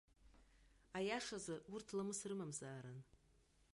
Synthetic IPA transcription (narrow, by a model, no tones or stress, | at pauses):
ajaʂazaurtʰlamɨsrɨmamzaːɾan